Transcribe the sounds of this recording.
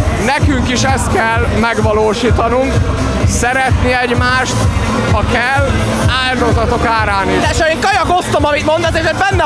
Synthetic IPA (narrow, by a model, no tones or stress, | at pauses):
nɛkyŋkiʃɛst̪kɛlːmɛɡʋɒloːʃiːt̪ɒnuŋk | sɛɾɛt̪niɛɟmaːʃt̪ | hɒkɛl | aːld̪o̞zɒt̪o̞kaːɾaːniʃɛʃeːŋkɒjɒkost̪omɒmit̪mo̞nd̪ɛt̪eːʃoɟbɛnːɛ